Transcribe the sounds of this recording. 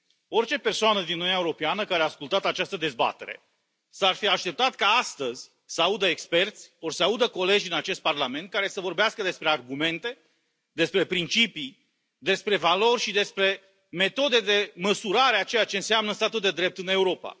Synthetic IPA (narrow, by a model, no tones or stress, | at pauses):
o̞rt͡ʃe̞pe̞rsoanəd̪inuninjaeuɾo̞peanəkaɾeaːskult̪at̪at͡ʃast̪əd̪e̞zba̰t̪e̞̰ɾe̞̰ | sarfiaʃt̪e̞p̚t̪at̪kaast̪əzʲ | səaud̪əekspe̞rt̪sʲo̞rsəaud̪əko̞le̞d͡ʒʲd̪inat͡ʃe̞st̪̚parlame̞nt̪̚kaɾe̞səvo̞rbeaskəd̪e̞spɾe̞arɡume̞nt̪e̞ | d̪e̞spɾe̞pɾint͡ʃipi | d̪e̞spɾe̞valo̞rʲʃid̪e̞spɾe̞ | me̞t̪o̞d̪e̞d̪e̞məsuɾaɾeat͡ʃe̞jat͡ʃe̞ɨnseamnəst̪at̪uld̪e̞d̪ɾe̞p̚t̪ɨne̞uɾo̞pa̰